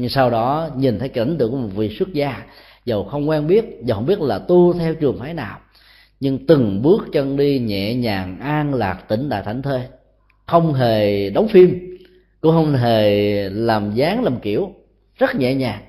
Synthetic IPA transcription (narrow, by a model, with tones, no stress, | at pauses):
saː˧wɗɔ˨˦ɲi˨˩nt̪ʰə˨˦jka˧˥n̟t̪ɨ̰˧˨əkmo˨˩t̚vḭ˧˨swə˦˥t̚zaː˧ | zə˨˩wxə˧wŋ͡mkwɛː˧nɓi˦˥ət̚zhxŋ͡mɓi˦˥ət̚laː˨˩t̪u˧t̪ʰɛ˧wt͡ɕɨ˨˩əŋfaː˨˦jnaː˨˩w | ɲɨ˧ŋt̪ɨ˨˩ŋɓɨ˦˥ək̚t͡ɕə˧ŋɗi˧ɲɛ̰˧˨ɲaː˨˩ŋʔaː˧ŋlaː˨˩k̚t̪ï˧˩ŋ̟t̪a̰ː˧˨jt̪ʰa˧˩jŋ̟t̪ʰe˧ | xə˧wŋ͡mɦe˨˩ɗə˨˦wŋ͡mfi˧m | kʊ̰˧˥ŋ͡mxə˧wŋ͡mɦe˨˩laː˨˩mzaː˨˦ŋlaː˨˩mki˧˩˨əw | zə˦˥t̚ɲɛ̰˧˨ɲaː˨˩ŋ